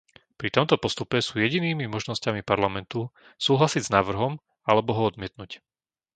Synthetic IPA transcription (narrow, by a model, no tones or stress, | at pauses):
pɾit̪ɔmt̪ɔpɔst̪upɛsuːjɛɟiniːmimɔʒnɔscamipaɾlamɛnt̪u | suːɦlasiɟznaːʋr̩ɦɔm | alɛbɔɦɔɔd̪mɪɛt̪nuc